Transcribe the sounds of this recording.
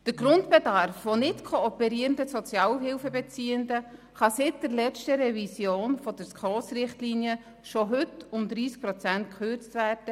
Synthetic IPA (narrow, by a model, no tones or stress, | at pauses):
d̥əɾɡɾʊntb̥edɑɾfʋonɪtkʰɔɔpɛɾiːɾəndəsɔt͡sjɑːwɦɪlfəbɛt͡siːəndə | χɑsɪt̚d̥əɾlɛt͡stəɾɛvisjoːnfɔd̥əɾskχɔːsɾɪχtliːniə | ʃoɦʏtʊmd̪ɾiːsk̚pɾɔt͡sæntkʰχøɾt͡stvæːrd̥ə